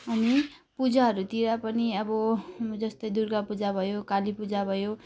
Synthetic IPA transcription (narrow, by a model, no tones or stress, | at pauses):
ʌni | pud͡zaɦʌɾut̪iɾapʌniʌbʌd͡zʌst̪ʌjd̪uɾɡapud͡zabʱʌjokalipud͡zabʱʌjo